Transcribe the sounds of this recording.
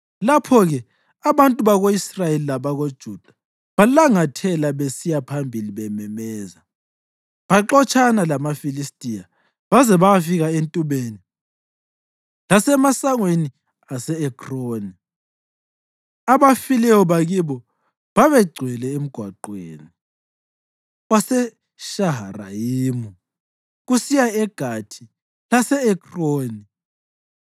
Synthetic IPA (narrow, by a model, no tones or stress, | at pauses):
lapʰɔɣɛ | aβantʼuβaɣoisrajelilaβaɣod̥ʒ̥ʱud̥ʱḁ | βalaŋatʰɛlaβesijapʰambʱiliβɛmɛmɛːza | βaǁɔt͡ʃʰʼanalamafilistʼija | βazɛβajafiɣaentʼuβeːni | lasɛmasaŋweni | asɛɛkʰroːni | aβafilɛjɔβaɣiβɔ | βaβɛɡ͡ǀʱwɛlɛem̩ɡ̥ʱwa̰ǃwḛːni | ɣwasɛ | ʃaɦara̰jimu | ɣusijaɛɡ̥ʱatʰi | lasɛɛkʰroːni